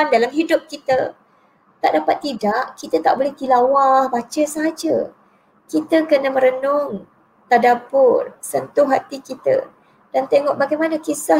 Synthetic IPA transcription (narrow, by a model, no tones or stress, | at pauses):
ndalamɦidʊp̚kit̪ə | t̪aʔdapat̪ːidaʔkit̪ət̪a̰ʔbolɛht̪ilawahbat͡ʃəsəɦad͡ʒə | kit̪əkənamə̃ɾənʊŋ | t̪adabʊrsənt̪ʊɦat̪ikit̪ə̰ | d̥ant̪eŋɔʔbaɡajmanakisa